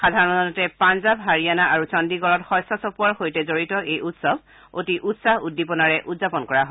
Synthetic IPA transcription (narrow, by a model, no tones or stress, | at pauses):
xadʱaɹɔnɔɔtɛpanzabɦaɹijanaʔaɹut͡ʃɔndiɡɔlɔtxɔjsɔsɔpuaɹxojtɛzoɹitɔejʔutsɔb | otiʔutsahudːipɔnaɹɛʔudzapɔnkɔɹaɦɔ